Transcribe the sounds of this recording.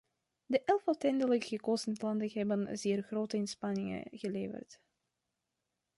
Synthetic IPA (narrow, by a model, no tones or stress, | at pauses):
dəʔɛlˠfɔwtɛndələkɣəkoːzəntlɑndəɦɛbənzɪːrɣroːtəɪnspɑnɪŋə̰ɣəleːvə̰rt